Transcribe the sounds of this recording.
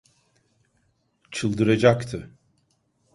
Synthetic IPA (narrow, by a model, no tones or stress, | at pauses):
t͡ʃʰɯlˠd̪ɯɾad͡ʒakt̪ʰɯ